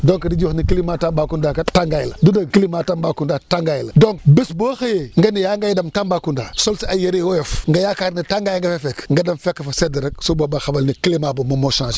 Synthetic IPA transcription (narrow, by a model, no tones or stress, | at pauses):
doŋkadid͡ʒuxnikilimatambaːkundakataŋɡajilɐdudakilimaːtambakundataŋɡajiladoŋkbisboxajeŋɡanijaŋɡajdamtambaːkundasolsiajeɾewoefŋɡajakaɾnitaŋɡajŋɡɐfefekŋɡadamfekːafasedəɾəksobobaxabalnikilimabumomoʃãːʃ